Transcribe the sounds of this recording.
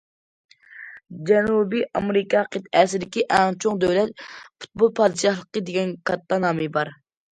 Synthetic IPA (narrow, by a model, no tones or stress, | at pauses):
d͡ʒɛnubiʔɑmeɾɪkʰɑqʰət̪ɛsɪd̪ɪkʲiʔɛŋt͡ʃʰoŋd̪øwlɛt̪̚pʰu̥t̪̚bolˠpʰɑːd̪ɨʃɑhlˠəqəd̪eɡʲɛnkʰɑt̪ːɑnɑːmɨbɑɾ